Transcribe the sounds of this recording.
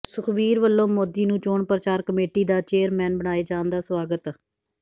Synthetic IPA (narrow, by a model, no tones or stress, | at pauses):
sʊkʰbiːɾʋəlːõːmoːd̪iːnũːt͡ʃoːɳpɾət͡ʃaːɾkəmeːʈiːd̪aːt͡ʃeːəɾmɛːnbəɽ̃aːeːd͡ʒaːnd̪aːsʋaːɡət̪